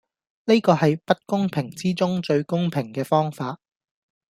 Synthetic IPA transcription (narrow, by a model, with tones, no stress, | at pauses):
ne˥kɔː˧hɐ˨jpɐ˥t̚kʊ˥ŋpʰɪ˨˩ŋt͡siː˥t͡sʊ˥ŋt͡ʃɵ˧ɥkʊ˥ŋpʰɪ˨˩ŋkɛː˧fɔː˥ŋfaː˧t̚